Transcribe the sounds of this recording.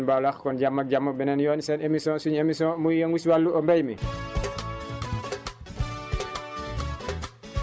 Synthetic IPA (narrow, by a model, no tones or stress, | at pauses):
nbalaxkɔnɟamːɐk̚ɟamːɐbɛnɛnjɔːnsɛnemisɔ̃ːsuɲemisɔ̃ːmujjəŋwiswalːuʔɔmbɛjmi